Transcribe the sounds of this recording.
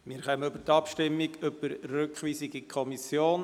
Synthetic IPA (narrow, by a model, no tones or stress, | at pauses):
mɪːɾχœməʏbət̪ɑpʃtɪmːiɡʏb̥əɾrøkχʋiːsiɡikʰɔmisjoːn